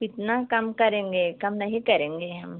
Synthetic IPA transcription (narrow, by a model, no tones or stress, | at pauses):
kɪt̪nakɐmkɐɾẽːŋɡeːkɐmnɐɦĩkɐɾẽːŋɡeɦɐ̰m